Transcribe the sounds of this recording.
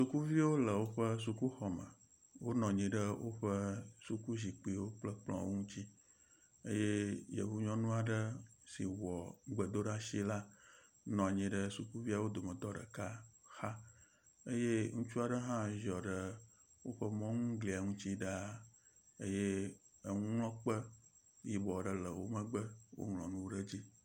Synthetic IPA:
su˨˦ku˦vi˦wo˦lə˨wo˦ɸə˦s̬u˨ku˦xɔ˨mə̰˨ | wo˦nɔ̃˨ɲĩ˨ɖə˦wo˦ɸə˦su˨ku˦ʑi˨k͡pi˦˨wo˦k͡plə˦k͡plɔ̰̃˨wo̰˦ŋũ˦t͡ɕi˦ | ə˦je˦jḛ˨ɦu˦ɲɔ̃˦nũ˦a˨ɖə˦si˨wɔ˨ɡ͡bə˨d̪o˦ɖa˦ʃi˦la˦ | nɔ̃˨a˨ɲĩ˨ɖə˨su˨ku˦vi˦a˨wo˦d̪o˨mə˨d̪ɔ˦ɖə̰˨ka˦xa˦ | ə˦je˦ŋũ˦t͡ʃu˦a˨ɖə˦ɦã˦ʒɔ˨ɖə˨ | wo˦ɸə˦mɔ̃˦ŋũ˦ɡli˨a˨ŋũ˦t͡ɕi˦ɖa˦ | e˦je˦ə˦ŋũ˦ŋlɔ̃˦k͡pə˦ | ji˦bɔ˨ɖə˨lə˨wo˦mə˦ɡ͡bə˦wo̰˦ŋlɔ̃˨nũ˦wɖə˦d͡ʑi˦

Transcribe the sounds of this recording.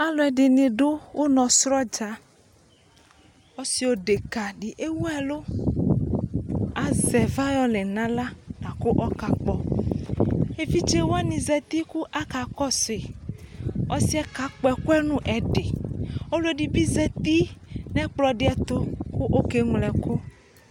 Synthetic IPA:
a˦lɔ˨ɛ˨ɖe˨nẽ˨ɖo˦wʔo˦nɔ̃˨sɾɔ˦d͡ʒa˨ | wɔ˦si˨wo˦ɖe˨ka˨ɖi˨ʔe˦wu˦ɛ˨lo˦ | a˨zɛ˨va˦jɔ˦le˨nã˦la˦nã˨ko˦ʔɔ˦ka˨k͡pɔ˨ | e˦fi˦t͡ʃe˦wo˦a˦nĩ˨zɛ˨t̪i˦ku˦ʔa˦ka˨kɔ˦se˨ | wʔɔ˦si˦a˦ka˦k͡pɔ˨ɛ˨ko˦ɛ˦nũ˦ʔɛ˨ɖe˨o˦le˦ɖi˨bi˦zɛ˨t̪i˦nɛ̃˦k͡plɔ˨ɖe˦a˨t̪o˦ku˦ʔo˦ke˦ŋlɛ˨ko˦

